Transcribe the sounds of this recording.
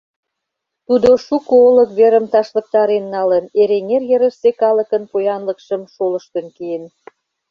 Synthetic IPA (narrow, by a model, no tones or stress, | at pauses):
t̪ud̪oʃukoolə̆kβeɾə̆mt̪ɑʃlə̆k̚t̪ɑɾenːɑləneɾeŋerjeɾə̆ʃsekɑlə̆kənpojɑnlə̆kʃəmʃolə̆ʃt̪ə̆nkejen